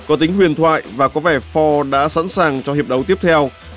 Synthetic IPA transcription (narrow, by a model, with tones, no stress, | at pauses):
kɔ˨˦t̪ï˨˦ŋ̟hwi˨˩ənt̪ʰwa̰ː˧˨jvaː˨˩kɔ˨˦vɛ˧˩fɔ˧ɗa̰ː˧˥sa̰˧˥nsaː˨˩ŋt͡ɕɔ˧hi˨˩əp̚ɗə˨˦wt̪i˦˥əp̚t̪ʰɛ˧w